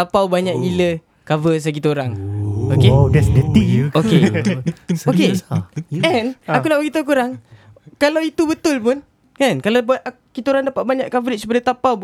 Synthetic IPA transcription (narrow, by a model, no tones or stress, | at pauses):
t̪apawbaɲaʔilə | kavəs̬ak̬it̪əoɾaŋokedɛsdət̪ioke | oke | ɛnakulapkit̪əkuɾaŋ | kalawit̪ubət̪ʊlpʊn | kankalab | kit̪əoɾaŋdapaʔ̪̚baɲaʔkavəɾɪt̪̚supadat̪apaw